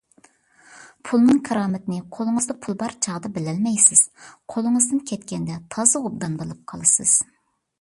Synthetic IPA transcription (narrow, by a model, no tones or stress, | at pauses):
pʰulˠnɨŋkʰɑɾɑːmɪt̪nɪqʰolˠɨŋɨzd̪ɑpʰulˠbɑɾt͡ʃʰɑʁd̪ɑbɪlɛlmɛjsɪz̥qʰolˠɨŋɨzd̪ɨnkʲʰɛt̪̚kʲɛnd̪ɛt̪ʰɑzɨob̚d̪ɑnbolˠɨp̚qʰɑlˠɨsɨ̰z̥